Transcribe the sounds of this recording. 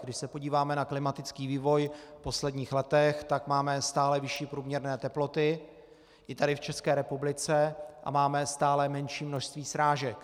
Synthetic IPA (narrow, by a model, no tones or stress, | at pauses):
ɡdɪʃsɛpo̞ɟiːvaːmɛnaklɪmat̪ɪt͡skiːviːvo̞jpo̞slɛdɲiːxlɛt̪ɛxt̪akmaːmɛst̪aːlɛvɪʃiːpɾuːmɲɛɾnɛːt̪ɛplo̞t̪ɪ | ʔɪt̪adɪft͡ʃɛskɛːɾɛpublɪt͡sɛʔa̰maːmɛst̪aːlɛmɛnʃiːmnoʃst̪viːsɾaːʒɛk